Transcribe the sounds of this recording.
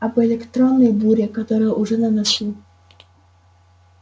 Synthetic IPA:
ɐbɔɛlʲɛkt̪ɾɔnːɐjbuɾʲɛkat̪ɔɾɨjɐʔuʐɛnɐnasʲi

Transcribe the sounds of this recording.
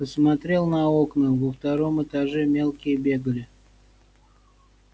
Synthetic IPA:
pəsmɐt̪ɾʲe̞lˠnɐo̞knəvəft̪ɐɾo̞mɨt̪aʐɛmʲe̞lˠkʲɪjəbʲe̞ɡəlʲɪ

